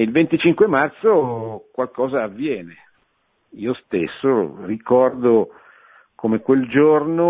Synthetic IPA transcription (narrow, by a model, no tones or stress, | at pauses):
ilvent̪it͡ʃiŋkwemart̪sokwalkɔːzaːvːjɛːne | iːost̪esːorikɔrd̪o | komekweld͡ʒorno